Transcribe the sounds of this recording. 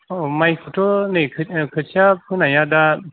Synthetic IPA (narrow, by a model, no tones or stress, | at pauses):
majkʰutʰɔnɯkʰkʰɯtsʰiapʰɯnajada